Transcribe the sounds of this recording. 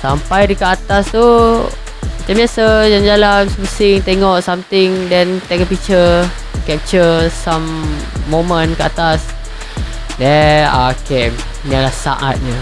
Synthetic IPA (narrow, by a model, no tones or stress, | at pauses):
sampajdəkəat̪ast̪u | mat͡ʃambiasajand͡ʒalansəməsɪŋt̪eŋɔʔsamt̪ɪŋdɛnt̪ɛŋɔʔpit͡ʃə | kɛp̚t͡ʃəsamː | omə̃nkəʔat̪as | dɛakɛm | ɲalahsa̰ʔa̰t̪̚ɲə